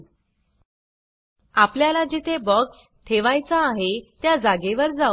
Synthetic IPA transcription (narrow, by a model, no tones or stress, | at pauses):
apljalad͡ʑit̪ʰebɔks | t̪ʰeʋajt͡saːɦet̪jad͡zaɡeʋəɾd͡za